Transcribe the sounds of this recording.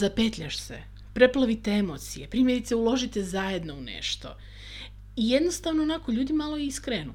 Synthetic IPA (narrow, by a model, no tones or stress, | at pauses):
zape̞t̪ʎʲaʃsḛ | pɾe̞plˠaʋit̪eemo̞t̪sijepɾiːmje̞ɾit̪seulˠo̞ʒit̪ezaje̞d̪no̞unḛʃt̪o̞̰ | ije̞d̪no̞st̪aːʋnoːnako̞ʎuːd̪imalo̞iskɾenṵ